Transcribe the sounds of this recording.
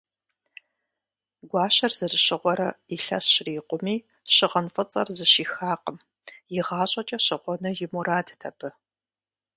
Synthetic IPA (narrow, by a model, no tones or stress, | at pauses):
ɡʷɑːɕɐrzɨzɨɕɪʁʷɔɾɐiɬɐ̰sɕriːqʷʼʊmiː | ɕɪʁɐnfɐt͡sʼɐ̰rzɨʃiːxaːqʼəm | jɪʁɑːɕʼɐt͡ʃʼɐɕɪʁʷɔnɨjɪmuraːdʰtʰɐpʰɨ